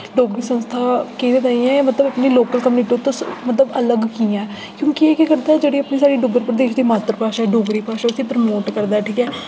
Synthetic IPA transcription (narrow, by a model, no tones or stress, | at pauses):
ɖoːɡɾiːsə̃nst̪ʰaːkĩːd̪ed̪aːĩːɛ̃mət̪ləbəpniːloːkəlkəmniːʈot̪õːmət̪ləbələɡkiːɛ̃ː | kjõːkieːkekəɾd̪aːɛːd͡ʒeːɽiːəpniːsaːɽiːɖʊɡəɾpɾəd̪eːʃd̪iːmaːt̪ɾpaːʃaːɛːɖoːɡɾiːpaːʃaːʊsĩːpɾəmoːʈkəɾd̪aːʈʰiːkɛː